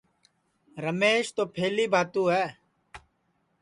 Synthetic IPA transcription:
ɾəmeːʃt̪oːpʰeːliːbʱaːt̪uːɦɛː

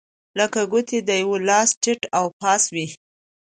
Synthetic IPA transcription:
ləkaɡut̪ed̪əjawolɑsʈɪʈawpɑswi

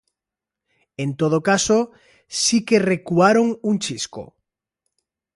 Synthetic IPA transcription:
ent̪oð̞okaso | sikerekuaɾoŋunt͡ʃisko̰

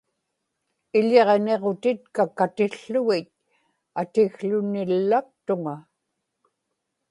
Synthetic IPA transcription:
ɪʎe̞ʁne̞ʁo̞t̪ɪt̪̚kakat̪ɪɬːʊɣɪt̪̚ | at̪ɪɣɬʊnɪlːak̚t̪ʊŋa

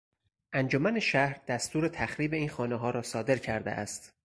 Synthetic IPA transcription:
ʔænd͡ʒomæneʃæhɾd̪̥æst̪uːɾe̞t̪ʰæxɾiːbe̞iːnxɒːneɦɒːɾɒːsɒːd̪e̞ɾcʰæɾd̪ḛʔæ̰st̪

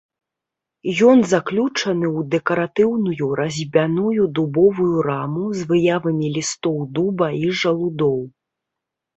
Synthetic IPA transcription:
jɔnzaklʲut͡ʂɐn̪ɨwd̪ɛkɐɾat̪ɨwnujuɾʔɐzʲbʲanujud̪ubɔvujuɾamuzvɨjavɐmʲilʲist̪ɔwd̪ubɐiʐɐlˠud̪ɔw

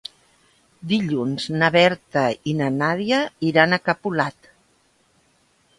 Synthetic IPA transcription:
d̪iʎunznəβɛɾt̪əinənaðjəiɾanəkəpulat̪

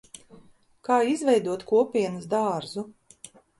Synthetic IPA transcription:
kaːizvʲɛjd̪uɔt̪kuɔpʲiɛnɐsd̪aːɾzu

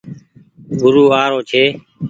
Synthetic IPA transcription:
ɡʊɾuːaːɾoːt͡ʃʰeː

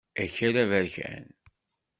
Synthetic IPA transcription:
æçæɾævəɾçæ̰n

